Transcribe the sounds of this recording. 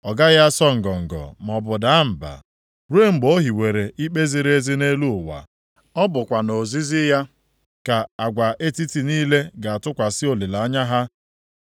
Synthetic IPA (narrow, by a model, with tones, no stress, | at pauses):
ɔ˨ɡa˦ja˦sɔ˦ŋ̩˨ɡɔ˨ŋ̩˨ɡɔ̰˨m˨ɔ˨bʊ˨da˨a˦m̩˨ba̰˨ | ɾu˦e˦ŋ͡m̩˦ɡ͡bo˦ɦi˨we˨ɾe˨ʔi˦k͡pe˦zi˦ɾe˦zi˦ne˦lu˦ʊ˨wa̰˨ | ɔ˦bʊ˨kʷa˨no˨zi˦zi˦ja˦ | ka˨a˨ɡʷa˨ʔe˦ti˦ti˨niː˦le˦ɡa˨a˨tʊ˦kʷa˨sɪ˦o˨li˨la˨˦ɲa˦ɦa˦